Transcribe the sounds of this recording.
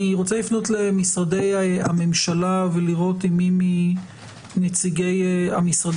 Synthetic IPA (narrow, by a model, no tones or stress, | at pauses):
iʁo̞t͡selifno̞tle̞misʁade̞jaame̞mʃalaveliʁo̞timimi | net͡siɡejamisʁad